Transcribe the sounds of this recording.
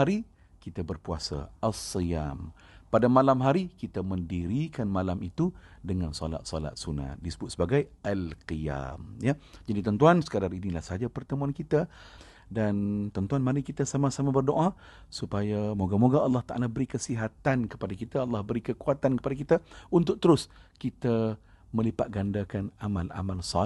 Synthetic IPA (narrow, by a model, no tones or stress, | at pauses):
aɾi | kit̪abərpua̰sa̰alsəja̰m | padamalamɦaɾikit̪aməndiɾikanmalamit̪udəŋansɔ̰la̰t̪̚sɔ̰la̰t̪̚suna̰t̪̚disə̥bʊt̪̚səbaɡajalqia̰mjad͡ʒadit̪ənt̪uansə̥kədarinilahsəad͡ʒapərt̪əmuankit̪a | dant̪ənt̪uanmaɾikit̪asamasamabərdoʔa | supajamoɡamoɡaɑlːɑht̪aʔa̰labəɾikəsiɦat̪ankə̥padakit̪aɑlːɑhbəɾikəkuat̪ankə̥padakit̪aunt̪ʊk̚t̪əɾʊskit̪a | mə̃lipat̪̚ɡandakanamala̰malsa